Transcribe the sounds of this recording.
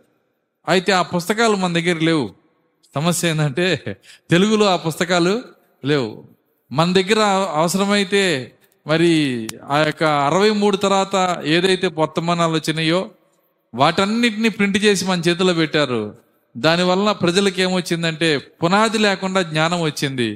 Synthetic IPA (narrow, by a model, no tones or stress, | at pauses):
ɐjit̪e̞ːaːpust̪ɐkaːlumɐnɐd̪ɐɡːɐɾɐle̞ːwu | sɐmɐsjɐjnd̪ɐɳʈe̞ːt̪e̞luɡuluːaːpust̪ɐkaːlu | le̞ːwṵ | mɐnɐd̪ɐɡːɐɾɐɐʋɐsɐɾɐmɐjit̪e̞ː | mɐɾiaːjɔkːɐːɾɐʋɐjmuːɽut̪ɐɾʋaːt̪ɐeːd̪ɐjt̪e̞ːpɐt̪ːɐmaːnaːlot͡ʃːinɐjo̞ː | ʋaːʈɐnːiʈɐniːpɾiɳʈt͡ʃe̞ːs̬imɐnɐt͡ʃɛːt̪̬uloːpɛʈːaːɾṵ | d̪aːniʋɐlːɐpɾɐd͡ʒɐlɐk̬e̞ːmʋot͡ʃːind̪ɐɳʈe̞ːpunaːd̪ilɛːkuɳɖaːɡɲaːnɐmʋɐt͡ʃːind̪ḭ